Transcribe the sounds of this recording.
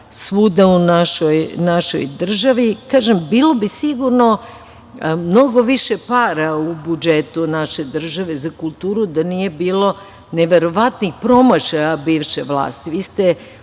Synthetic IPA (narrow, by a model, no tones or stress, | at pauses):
sʋud̪aunaʃojnaʃo̞̰jd̪r̩ʒaʋikaːʒembiːlˠo̞bisiɡuɾno̞ | mno̞ɡo̞ʋiʃe̞paːɾaubud͡ʒet̪unaʃe̞d̪r̩ʒaʋe̞zakulˠt̪uːɾud̪anije̞biːlo̞ | neʋe̞ɾo̞ʋat̪nixpɾo̞maʃaabiːʋʃeʋlˠa̰ːst̪iʋiːst̪e̞